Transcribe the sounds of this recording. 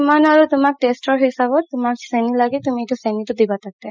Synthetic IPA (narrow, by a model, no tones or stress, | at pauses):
manaɾot̪umak̚ʈesʈɔɾɦisabot̪umaɾsɛnilaɡet̪umiejʈasɛniʈod̪ibat̪ʰak̚t̪e